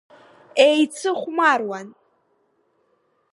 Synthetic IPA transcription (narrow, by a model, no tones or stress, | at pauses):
ejt͡sʰɨχʷmarwan